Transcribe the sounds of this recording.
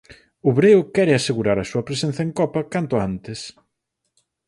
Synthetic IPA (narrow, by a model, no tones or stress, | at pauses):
ʊβɾeʊkɛɾɪaseɣuɾaɾɐsuɐpɾesen̟θɐeŋkɔpɐkant̪ʊant̪ɪs